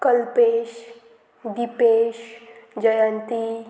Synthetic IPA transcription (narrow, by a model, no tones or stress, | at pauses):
kəlpeʃ | d̪ipeːʃd͡ʒəjãnt̪i